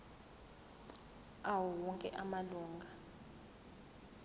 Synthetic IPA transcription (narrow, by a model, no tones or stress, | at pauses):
awuwɔŋkʼɛʔamaluːŋɡʱa